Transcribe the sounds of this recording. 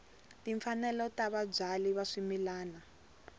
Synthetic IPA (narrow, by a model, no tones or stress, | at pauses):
tiɱfanɛlɔtaβab͡ʐaliβaʂimilaːna